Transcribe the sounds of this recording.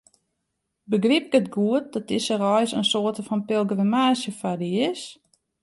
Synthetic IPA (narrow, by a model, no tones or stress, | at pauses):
bəɡrip̚ɡətɡuət̚dɔtɪsərɔjsənsoːtəfɔnpɪlˠɡrəmaːsjəfadiɪs